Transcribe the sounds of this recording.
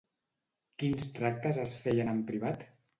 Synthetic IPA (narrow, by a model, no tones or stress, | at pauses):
kinst̪ɾak̚t̪əzəsfɛjənəmpɾiβ̞at̪